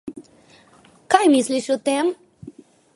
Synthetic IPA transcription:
kajmisliʃɔt̪ɛm

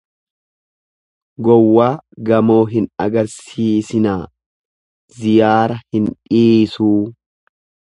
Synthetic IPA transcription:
ɡɔwːaːɡɐmo̞ːɦɪnɐ̰ɡɐɾsiːsɪnaː | zɪjaːɾɐhɪnᶑiːsuː

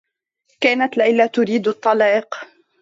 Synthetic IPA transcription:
kaːnat̪lɪlːaːt̪ʊɾiːd̪ɑt̪ˤːɑlɑːq

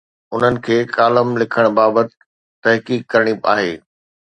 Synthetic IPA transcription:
ʊn̤ənɪ̆kʰeːkaːləmlɪkʰəɽ̃baːbət̪ɪ | t̪ɐɦkiːkːɐɾəɽ̃ia̰ːɦeː

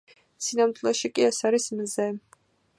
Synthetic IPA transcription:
sinamt̪lɛʃikʼiɛsaɾismzɛ

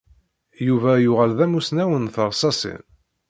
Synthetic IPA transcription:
juvæjʊʁælðæmusnæwənθəʁsɑsḭn

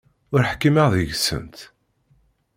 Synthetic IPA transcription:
ʊɾħkːimaʁðəʝsə̰nt̪

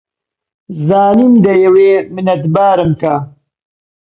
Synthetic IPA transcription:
zaːnimd̪ɐjɐwemɪnɐt̪baːɾəmkaː

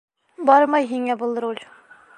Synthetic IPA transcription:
bɑɾmɑjɦiŋɛbulˠd̪ɾulʲ

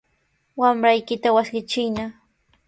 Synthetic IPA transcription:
wamɾajkɪt̪awasɢɪt͡ʃɪjna

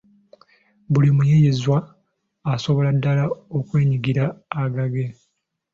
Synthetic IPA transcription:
bulimujejezwaː | so̞βo̞ladːalaokwe̞ːɲiɡiɾaːɡaɡe̞

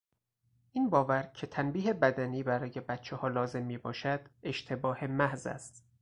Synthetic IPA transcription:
ʔiːnbɒːvæɾcʰe̞t̪ʰænbiːɦebæd̪æniːbæɾɒːje̞bæt̪t͡ʃʰehɒːlɒːze̞mːiːbɒːʃæd̪̥e̞ʃt̪ʰe̞bɒːhe̞mæhzæ̰st̪

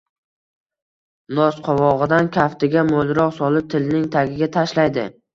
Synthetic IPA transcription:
nɒsqʰɒwɒʁɨd̪ankʲʰaft̪ɪɡʲamolɾɒqsɒlɪp̚t̪ʰɪlnɪŋt̪ʰaɡʲɪɡʲat̪ʰaʃlajd̪ɪ

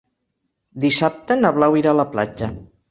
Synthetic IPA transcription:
d̪isap̚t̪ənəβlawiɾaləpla̰d͡ʒə

